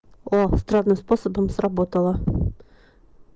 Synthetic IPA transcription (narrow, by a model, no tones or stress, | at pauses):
ost̪rɑd̪nɨmsposobomsrɐbot̪əlˠɤ